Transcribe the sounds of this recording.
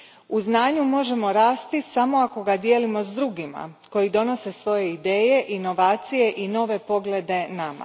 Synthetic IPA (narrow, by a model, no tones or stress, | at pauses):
uznaːɲumo̞ʒe̞mo̞ɾaːst̪isamo̞ako̞ɡad̪je̞ːlimo̞zd̪ɾuɡima̰ko̞jid̪o̞no̞se̞sʋo̞je̞id̪e̞ːje̞ʔino̞ʋaːt̪sije̞ʔino̞ːʋe̞po̞ɡled̪e̞nama̰